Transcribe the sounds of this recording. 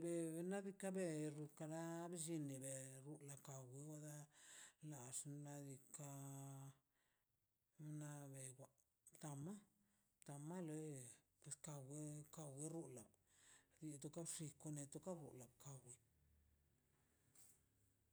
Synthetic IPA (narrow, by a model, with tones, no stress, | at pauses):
be˨be˧na˦d̪i˧ka˦be˦˧ɾu˧ka˧ɾa˦be˦ʒi˧ni˨be˨ɾu˧˦la˨ka˨wi˧wa˦d̪a˦la˨ʂna˧d̪i˧ka˧ | na˧be˨ɡʷa˨˧ | t̪a˨ma˦ | t̪a˨ma˦le˦ | pwe˨ska˧we˦ka˧we˦ɾu˦la˨d̪i˧t̪o˧ka˦ʂi˧ko˧ne˧t̪o˦ka˦ɾṵ˨la˨ka˨wi˦